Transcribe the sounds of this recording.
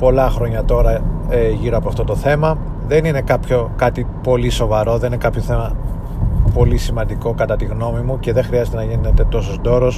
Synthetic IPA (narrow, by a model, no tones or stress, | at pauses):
po̞lɐxɾo̞ɲɐt̪o̞ɾɐeʝiɾoɐpoɐft̪ot̪o̞θe̞mɐ | ðe̞nine̞kɐpço̞kɐt̪ipo̞liso̞vɐɾo̞ðe̞nine̞kɐpço̞θe̞mɐ | po̞lisimɐnd̪iko̞kɐt̪ɐt̪iɣno̞mimuce̞ðe̞xɾiɐzet̪e̞nɐʝinet̪t̪e̞t̪o̞sozd̪o̞ɾo̞s